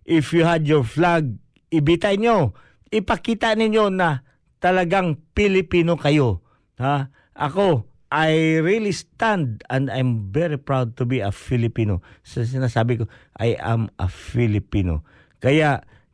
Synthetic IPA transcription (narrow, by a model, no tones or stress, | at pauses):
ʔɪfjuhad̪joɹflaɡ̚ | ʔɪbit̪ajɲo | ʔɪpɐkiːt̪ɐnɪɲjo̞nɐ | t̪ɐlɐɡaŋpɪlɪpiːnokɐjo̞ | ha | ʔɐ̰ko̞ | ʔajɾilist̪ãnd̪̚ɛ̃nd̪ajmvɛɹipɹawd̪̚t̪ʊbiɐfɪlɪpiːno̰sɐs̬ɪnaːsaːbɪko̞ʔa̰jʔɐ̰mʔɐ̰fɪlɪpiːno̰ | kɐjaʔ